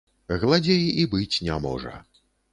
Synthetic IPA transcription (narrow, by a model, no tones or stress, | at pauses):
ɣlˠad͡zʲejibɨt͡sʲnʲamɔ̰ʐɐ̰